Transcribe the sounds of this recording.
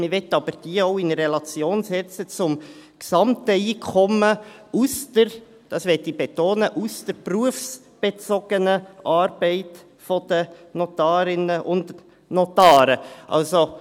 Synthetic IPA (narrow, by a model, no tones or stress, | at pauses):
mɪʋɛt̪ːɑb̥əɾd̥iːəɔʊɪnərɛlɑt͡sjoːnsɛt͡sət͡sʊmksɑmtəiːkʰɔməustəɾ | d̥ɑsʋɛtibetoːnəʔustəɾpruəfs | b̥et͡sɔɡ̥ənəʔɑːɾb̥ɛɪt | fɔd̪̥ənɔtɑːɾɪnəʔʊnt | nɔt̪ɑːɾəʔɑ̰lso